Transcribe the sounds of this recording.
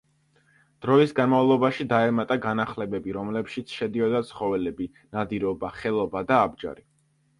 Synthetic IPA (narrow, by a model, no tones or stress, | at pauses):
d̪̥ɾɔisɡanmavlˠɔbaʃid̪aɛmat̪ʼaɡanaχlɛbɛbiɾɔmlɛpʃit̪sʰʃɛd̪iɔd̪at̪sʰχɔvɛlɛbi | nad̪iɾɔbaχɛlˠɔbad̪aːb̚d͡ʒa̰ɾi